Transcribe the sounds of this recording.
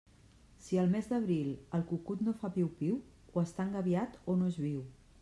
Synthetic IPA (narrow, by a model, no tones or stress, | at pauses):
siəlˠmezd̪əβ̞ɾilˠəlˠkukut̪nofaβiwpiw | wəst̪aŋɡəβjat̪onoezβiw